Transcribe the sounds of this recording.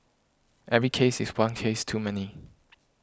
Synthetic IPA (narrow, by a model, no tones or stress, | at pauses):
ʔɛvɹikʰeɪsɪswʌ̃nkʰeɪstʰuːmɛni